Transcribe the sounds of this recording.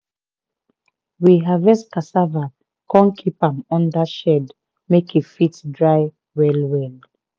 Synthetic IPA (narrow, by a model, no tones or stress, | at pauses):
wiɦavɛskasava | kɔ̃nkʰipãmɔ̃ndaʃɛd | mekifitdɹaɪ | wɛlwɛl